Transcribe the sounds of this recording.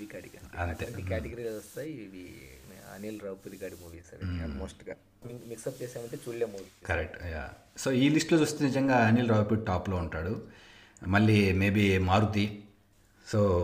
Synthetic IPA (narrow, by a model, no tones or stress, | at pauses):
ikaːɽikɐ̰ɐnt̪eikaːʈeɡɐɾilɐɔst̪aːjiʋiɐ̰nilɾaːwpiɾiɡaːɽimuːʋisɐɾemoːsʈɡaː | mimiksɐp̚t͡ʃeːsaːmɐɳʈet͡ʃulːeːmuːʋikɐɾek̚ʈja̰ː | so̞ːiːlisʈlot͡ʃuːst̪enid͡ʒɐŋɡaːɐniːlɾaːwpiɽ̚ʈaːplo̞ːuɳʈaːɽu | mɐɭːiːme̞ːbimaːɾut̪i | soː